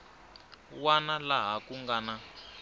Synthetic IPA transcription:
wanalaɦakuŋɡaːna

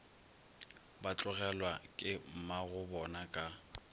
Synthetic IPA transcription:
bat͡ɬʼʊɣɛlwakʼɪm̩maɣʊbɔnakʼa

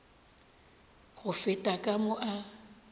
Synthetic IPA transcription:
ɣʊfɪtʼakʼamʊʔa

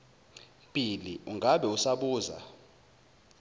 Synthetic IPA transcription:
pʼiliuŋʱaɓɛusaɓuːza̰

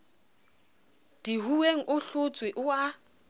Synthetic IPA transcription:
d̥ihuweŋ̩ʔʊɬʊt͡sʼwɪʔʊa

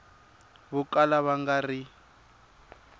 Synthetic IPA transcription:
βʊkʼalaβaŋɡari

